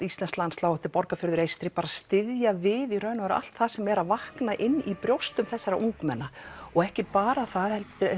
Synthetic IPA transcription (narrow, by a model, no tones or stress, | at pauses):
ist̪lɛnslanslawɛht̪ɪɾpɔɾkafʏɾðʏɾejst̪ɾɪpaːɾaðst̪ɪðjavɪðiɾœɥnvaɾa̰l̥t̪θaðsɛmɛɾaðvahknaʔɪnːipɾjowst̪ʏmθɛsːaɾa̰ʔuŋkmɛnːaɔɣɛhcɪpaːɾaθaðhɛl